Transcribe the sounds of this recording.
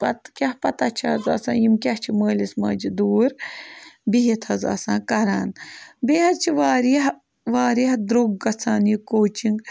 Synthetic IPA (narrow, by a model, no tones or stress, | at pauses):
pɐt̪kʲɐhpɐt̪at͡ʃʰaɐzɐ̰sãːjimkʲɐht͡ʃʰiməːlismɐ̰ːd͡ʒid̪uːɾ | biɦit̪ʰɐzɐ̰ːsãːkɐɾaːnbeːɦɐd̪̚t͡ʃʰiʋaːɾiɦ | ʋaːɾiɦd̪ɾuɡːɐt͡sʰaːnikoːt͡ʃʰiŋɡ